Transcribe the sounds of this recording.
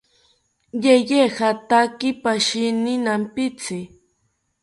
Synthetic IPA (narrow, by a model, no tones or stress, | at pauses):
jejehat̪akɪpaʃɪnɪnampɪt͡sɪ